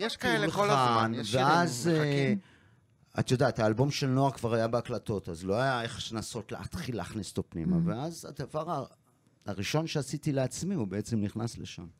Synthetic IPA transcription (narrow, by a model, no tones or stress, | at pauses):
jeʃaeleolanveaze | a̰tjodathaːlbo̞mʃe̞lno̞akvaʁajabeaklato̞tazloajae̞χʃnaso̞tleatχilːaːχnise̥tapnimaveaza̰d̪avaʁa | aʁiʃo̞nʃeasitileat͡smiubeet͡se̞mniχnasleʃa̰m